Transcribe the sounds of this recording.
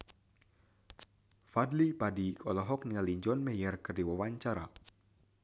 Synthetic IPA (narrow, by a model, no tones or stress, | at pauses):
fadlipadikʰɔlɔɦɔk̚nialiɲd͡ʒɔnmɛjɛrkərdiwawaɲt͡ʃaɾa